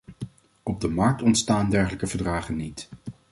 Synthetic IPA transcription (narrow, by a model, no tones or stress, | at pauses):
ɔb̚dəmɑɹk̚tɔntstaːndɛɹχələkəvəɹdraːχənːit